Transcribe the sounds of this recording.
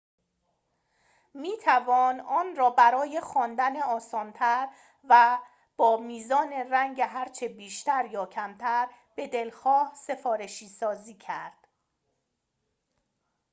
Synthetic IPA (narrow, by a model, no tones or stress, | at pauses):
miːt̪ʰævɒːnɒːnrɒːbæɾɒːje̞xɒːnd̪æneɒːsɒːnt̪ʰæɾ | væ | b̥ɒːmiːzɒːne̞ræŋɟeɦæɾt͡ʃʰebiːʃt̪æɾjɒːcʰæmt̪ʰæɾ | b̥e̞d̪e̞lxɒːhse̞fɒːɾe̞ʃiːsɒːziːcʰæɾd̪̥